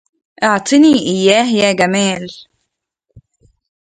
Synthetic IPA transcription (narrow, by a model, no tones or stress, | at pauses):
ʔɑʕt̪ˤʰɨniːʔɪjːaːɦjaːɡamaːl